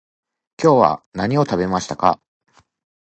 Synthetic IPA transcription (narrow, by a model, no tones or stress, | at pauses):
kʲo̞ːβa̰naɲ̟io̞t̪abe̞maɕi̥t̪aka̰